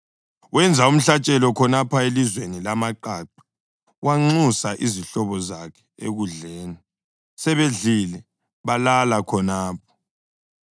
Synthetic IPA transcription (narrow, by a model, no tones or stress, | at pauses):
wɛnd͡zʱaum̩ɬat͡ʃʼɛlɔkʰɔnapʰaelizwenilamaǃaǃḁ | waŋ͡ǀusaʔiziɬɔβɔzakʰɛ̥ḛɣuɮeːni | sɛβeɮilɛ | βalalakʰɔnaːp̚ʰɔ̥